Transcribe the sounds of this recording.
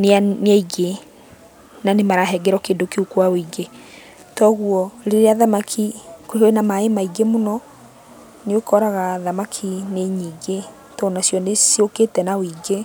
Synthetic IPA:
neanaiɣe | nanemaɾaɦɛɡɛɾɔkeːndokeukwawiɡe | tɔɣuɔɾeɾeaðamakʰikoɾiɣoenamaemaiɡemonɔ | neokɔɾaɣaðamakʰineɲiːɡe | tɔnasjɔnesioketɛnawiːɡe

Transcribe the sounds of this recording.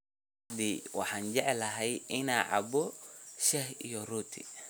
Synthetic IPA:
d̪iwɑ̰ħɑːnd͡ʒɛʕlɐɦɛjʔɪnaːʕɑ̰bɔʃɛhḭjɔruːt̪ʰḭ

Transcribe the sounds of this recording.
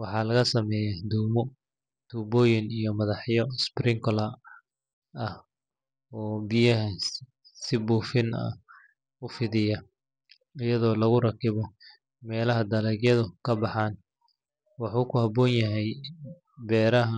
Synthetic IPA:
wɑħɑːlɐɣɐsɐmɛːjɛd̪uːmɔ | t̪uːbɔːjɪnijɔmɐðɑħjɔsprɪŋkʰɔlɐ | ɐh | ɔːbɪjɐɦɐ | sɪbuːfɪnɐ̰ | ʊfɪðɪjɐ | ɪjɐðɔːlɐɣʊrɐkʰɪβɔ | mɛːlɐɦɐd̪ɐlɛːɡjɐðʊkʰɐbɑħɑːn | wɑħuːkʰʊhɐbɔːnjɐɦɛj | bɛːɾɐɦɐ

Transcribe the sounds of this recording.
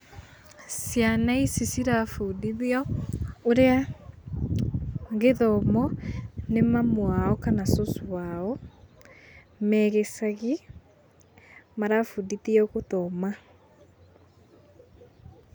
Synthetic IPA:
sjanaisisiɾafudiðiɔoɾea | ɣeðɔmɔnemamwaɔkanasoswaɔ | mɛɣesaɣi | maɾafuditiɔɣotɔma

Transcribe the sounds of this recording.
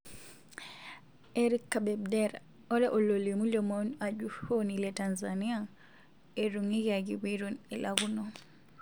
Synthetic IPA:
ʔeɾikːabɛbdɛɾa | ɔɾɛʔɔlolimulɔmɔnad͡ʒuhonilɛtanzania | eɾuŋiɡaɡiwiɾɔnɛlaɡunɔ

